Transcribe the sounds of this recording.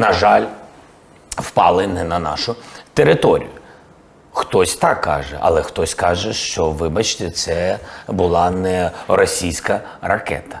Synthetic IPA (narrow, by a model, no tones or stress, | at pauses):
nɐʒɑlʲ | wpɑ̰lˠɪnɛnɐnɑ̰ʃʊt̪eɾɪt̪ɔɾʲḭjʊ | xt̪ɔsʲt̪ɑkːɑ̰ʒɛ̰ʔɐ̰lˠɛxt̪ɔsʲkɑʒɛʃt͡ʃɔʋɪbɐt͡ʃt̪ɛt̪sɛbʊlˠɑnɛɾɔsʲijsʲkɐ | rɐ̰kɛ̰t̪ɐ̥